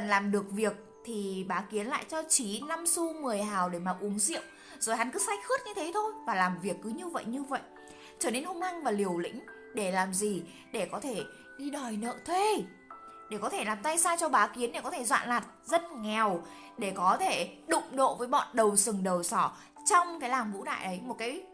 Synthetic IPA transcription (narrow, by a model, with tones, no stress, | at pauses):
ə˨nlaː˨˩mɗɨ˨˩ək̚vi˨˩ək̚ | t̪ʰi˨˩ɓaː˨˦ki˨˦ənla̰ː˧˨jt͡ɕɔ˧t͡ɕi˨˦na˧msu˧mɨ˨˩əjhaː˨˩wɗe˧˩maː˨˩ʔʊ˨˦ŋ͡mzḭ˧˨əw | zoː˨˩jɦa˨˦nkɨ˨˦sa˧˥j̟xɨ˦˥t̚ɲɨ˧t̪ʰe˨˦t̪ʰo˧jvaː˨˩laː˨˩mvi˨˩əkːɨ˨˦ɲɨ˧və̰˧˨jɲɨ˧və̰˧˨jʔ | t͡ɕəː˧˩ne˧nhu˧ŋ͡ma˧ŋvaː˨˩li˨˩əwlḭ̈˧˥ŋ̟ | ɗe˧˩laː˨˩mzi˨˩ | ɗe˧˩kɔ˨˦t̪ʰe˧˩ | ɗi˧ɗɔ˨˩jnə̰ː˧˨t̪ʰwe˧ | ɗe˧˩kɔ˨˦t̪ʰe˧˩laː˨˩mt̪a˧jsaː˧t͡ɕɔ˧ɓaː˨˦ki˨˦ənɗe˧˩kɔ˨˦t̪ʰe˧˩zwa̰ː˧˨nlaː˨˩t̚zə˧t̚ŋɛ˨˩w | ɗe˧˩kɔ˨˦t̪ʰe˧˩ɗʊ̰˧˨ŋ͡mɗo̰˧˨vəː˨˦jɓɔ̰˧˨nɗə˨˩wsɨ˨˩ŋɗə˨˩wsɔ˧˩ | t͡ɕɔ˧wŋ͡mkaː˨˦jlaː˨˩mvṵ˧˥ɗa̰ː˧˨jʔə˨˦jmo˨˩t̚kaː˨˦j